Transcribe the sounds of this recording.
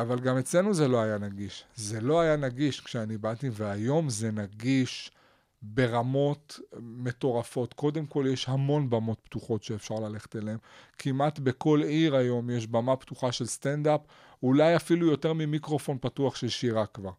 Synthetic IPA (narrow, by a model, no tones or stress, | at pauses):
avalɡame̞t͡sle̞nuze̞lo̞ajanaɡiʃzelo̞ajanaɡiʃkʃeanibativeajo̞mze̞naɡiʃ | be̞ʁamo̞tme̞to̞ʁafo̞t̪ko̞d̪e̞mko̞ljeʃhamo̞nbamo̞t̪̚pt̪uχo̞tʃe̞ːfʃaʁlale̞χe̥t̪eleemkʰimat̪be̞ko̞liʁajo̞mjeʃbamaptuχaʃe̞lst̪endap | ulajafilujo̞te̞ʁmimikʁo̞fo̞npatuaχʃeʃiʁakvaʁ